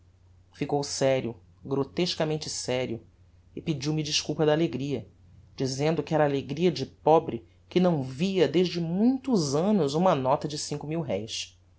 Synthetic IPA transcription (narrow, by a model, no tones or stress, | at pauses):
fikowsɛɾjʊ | ɡɾot̪eʃkɐmẽnt͡ʃɪsɛɾjʊ | ɪpid͡ʒiwmid͡ʒiʃkuwpɐd̪ɐːleɡɾiɐ | d͡ʒizẽnd̪ʊkɪɛɾɐːleɡɾiɐd͡ʒɪpɔbɾɪ | kɪnɐ̃w̃viɐd̪eʒd͡ʒɪmũj̃t̪ʊzɐ̃nʊzũmɐnɔt̪ɐd͡ʒɪsĩŋkʊmiwɦɛjs